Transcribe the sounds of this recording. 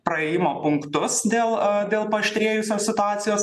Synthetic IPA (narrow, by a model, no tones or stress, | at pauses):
pɾɐeːjɪmoːpʊŋkt̪ʊsd̪ʲeːlˠd̪ʲeːlˠpɐʃʲt̪ʲɾʲeːjʊsʲoːsʲsʲɪt̪ʊaːt̪sʲɪjoːs